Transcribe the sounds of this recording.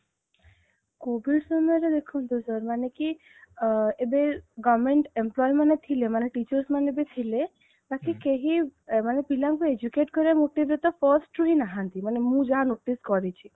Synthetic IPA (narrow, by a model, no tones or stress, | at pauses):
kobisɔmɔɾed̪ekʰunt̪ũsəɾmaneki | ebeɡɔʋmeɳʈemplɔjmanet̪ʰilemaneʈit͡ʃəɾsmanebet̪ʰile | bakikeɦimanepilaŋkued͡ʒukeʈkɔɾiemoʈibɾet̪ɔpʰɔɾsʈɾuɦinaɦant̪imanemũd͡ʒaɦanoʈiskɔɾit͡ʃʰi